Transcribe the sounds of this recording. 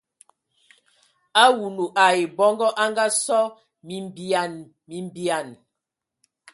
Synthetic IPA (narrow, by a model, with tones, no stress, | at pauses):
a˦wu˨nu˨ʔa˨e˨bɔ˦ŋɡɔ˦ʔa˦ŋɡa˦sɔ˦ | mi˨mba˨n | mi˨m˨bi˨a˨n